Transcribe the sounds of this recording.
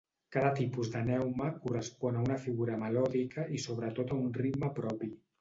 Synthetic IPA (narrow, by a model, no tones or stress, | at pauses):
kaðət̪ipuzðənɛwməkurəspɔnəunəfiɣuɾəməlɔðikəʔisoβ̞ɾət̪ot̪əunrid̪məpɾɔpi